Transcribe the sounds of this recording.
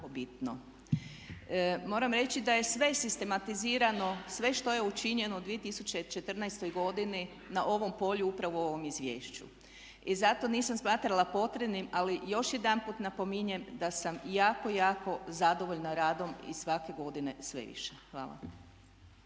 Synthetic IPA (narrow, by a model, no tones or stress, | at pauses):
obit̪no | mo̞ːɾamɾe̞t͡ɕid̪aje̞sʋe̞sist̪e̞mat̪iziːɾano̞sʋe̞ʃt̪o̞je̞ut͡ʃiɲe̞noud̪ʋie̞t̪isut͡ɕe̞t͡ʃe̞t̪r̩najst̪o̞jɡo̞d̪ini | naʔo̞ʋo̞mpo̞ʎuupɾaʋoo̞ʋo̞mizʋjeːʃt͡ɕṵ | izat̪o̞niːsamsmaːt̪ɾalˠapo̞t̪ɾebnimalijo̞ʃje̞d̪anpuːt̪napo̞miɲemd̪asamjaːko̞jaːko̞zad̪o̞ʋo̞ʎnaɾaːd̪o̞mḭsʋake̞ɡo̞d̪ine̞sʋḛʋḭʃexʋa̰ːla̰